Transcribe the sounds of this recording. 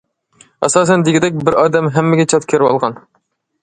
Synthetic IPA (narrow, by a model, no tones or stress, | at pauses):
æ̰sɑːs̬ɛnd̪ɪɡʲɪd̪ɛk̚ʲbɪɾɑːd̪ɛmɦɛmːɪɡʲɛt͡ʃʰɑt̪kʲʰeɾɪwɑ̰lˠʁɑn